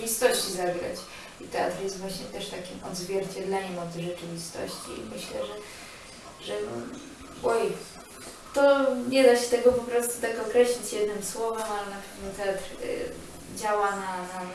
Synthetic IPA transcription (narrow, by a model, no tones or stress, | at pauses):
vʲist̪ɔɕt͡ɕizaɡɾa̰t͡ɕ | it̪ɛa̰t̪ɾjɛst̪vwaɕɲɛt̪ɛʂt̪akʲimɔ̰d̪zvʲjɛɾt͡ɕɛd̪lɛɲɛmɔd̪ʐɛt͡ʂɘvʲist̪ɔ̰ɕt͡ɕiḭmɘɕlɛʐɛ | ʐɛnɔ̰ | wɔj | t̪ɔɲɛd̪aɕɛt̪ɛɡɔpɔpɾɔst̪ut̪akɔkɾɛɕlʲit͡ɕjɛd̪nɘmswɔvɛmalɛnapɛvnʲɛt̪ɛat̪ɾ̰ | d͡ʑawanana